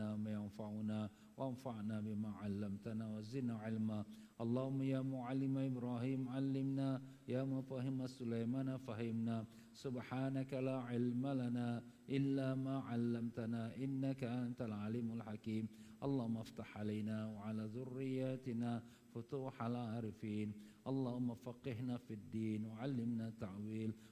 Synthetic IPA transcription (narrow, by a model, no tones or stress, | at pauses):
amajanfaʕʊnaː | waʔanfaʕnaːbɪmaːʕalːamt̪anaːwazɪdnaːʕɪlma | ʔɑlˤːɑːhʊmːajaːmʊʕalːɪmaʔɪbɾaːɦiːmʕalːɪmnaː | jaːmafahɪmasʊlajmaːnafahɪmnaː | sʊbħaːnakalaːʕɪlmalanaːʔɪlːaːmaːʕalːamt̪anaːʔɪnːakaʔant̪alʕaliːmalħakiːmʔɑlˤːɑːhʊmːʔaft̪aħʕalajnaːwaʕalaːðʊrːɪjːaːt̪ɪnaː | fʊt̪uːħalʕaːɾɪfiːnʔɑlˤːɑːhʊmːafɑqːɪhnaːfid̪ːiːnwaʕalːɪmnaːt̪ːaʕwiːl